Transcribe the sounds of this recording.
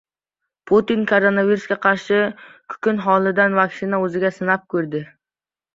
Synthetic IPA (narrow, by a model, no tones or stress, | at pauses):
pʰot̪inkʰoɾonaviɾusɡʲaqʰɑɾʃɪkʲʰʊ̥kʲɪnɦɒlˠɪd̪anvaksɪnaɵzɪɡʲasɪnap̚kʲʰɵɾd̪ɪ